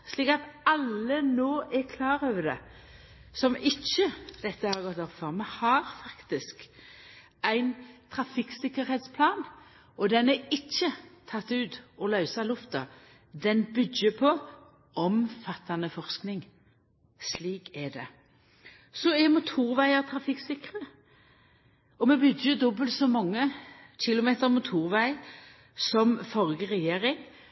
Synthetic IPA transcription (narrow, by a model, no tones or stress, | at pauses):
sliːkɑt̪ɑlːənoːʔɛɾkʰlɑːɾøːʋəd̪ɛ̰ | sɔmɪçːəd̪̥ɛt̪ːəhɑʁɡɔt̪ːɔfɔʁmɛhɑɾfɑkt̪ɪsk | ʔæɪnt̪ʰɾɑfɪksɪkːəɾhɛːt̪spʰlɑːn | ʔɔd̪ɛnɛɪçːət̪ʰɑt̪ːʉːt̪ɔlœʏsɑlʊft̪ɑ | d̪ɛnbʏɡəpʰɔ | ʔɔmfɑt̪ːɑnəfɔʁsknɪŋ | sliːkɛd̪ɛ | sɔɛmʊt̪ʰuːʁʋæɪɑt̪ʰɾɑfɪksɪkʁə | ɔmɛbʏɡəd̪ɔbəlt̪sɔmɑŋːəɕɪlʊmeːt̪əɾmʊt̪ʰuːʁʋæɪ | sɔmfɔʁɡəʁɛjeːɾɪŋ